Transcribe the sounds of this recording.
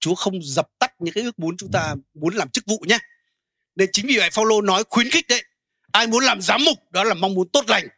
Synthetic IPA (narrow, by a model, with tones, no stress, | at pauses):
t͡ɕu˨˦əxə˧wŋ͡mzə˨˩p̚t̪a˦˥k̚ɲɨ̰˧ŋkaː˨˦jʔɨ˦˥ək̚mu˨˦ənt͡ɕʊ˨˦ŋ͡mt̪aː˧mu˨˦ənlaː˨˩mt͡ɕɨ˦˥k̚vṵ˧˨ɲaː˨˧ | ne˧nt͡ɕï˨˦ŋ̟vi˨˩va̰˧˨faː˧wlo˧nɔ˨˦jxwi˨˦ənxï˦˥k̚ɗə˨˧˦j | ʔaː˧jmu˨˦ənlaː˨˩mzaː˨˦mːʊ˨˩k͡p̚ɗɔ˨˦laː˨˩ma˧wŋ͡mmu˨˦ənt̪o˦˥t̚la˨˩jŋ̟